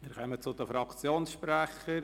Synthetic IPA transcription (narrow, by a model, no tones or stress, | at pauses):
mɪɾkœmət͡sʊd̪əfɾɑkt͡sjoːnsʃpɾæχəɾ